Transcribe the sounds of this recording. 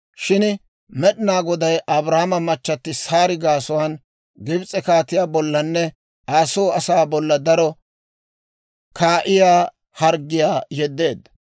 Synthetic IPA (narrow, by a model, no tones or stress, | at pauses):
ʃɪn | mɛɗɪnaːɡɔd̪ɐjʔɐbɾaːmɐmɐt͡ʃːɐt̪ːɪsaːɾɪɡaːsɔwan | ɡɪbt͡sʼɛkaːt̪ːɪjaːbɔlːɐnːɛ | aːsoːɐsaːbɔlːɐd̪ɐɾɔ | kʰaːʔɪjaː | hɐɾɡɪjaːjɛd̪ːe̞ːd̪ːɐ̥